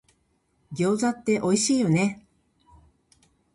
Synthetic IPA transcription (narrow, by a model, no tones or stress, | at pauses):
ɡʲo̞ːzat̪ːe̞ʔo̞iɕiːjo̞ne̞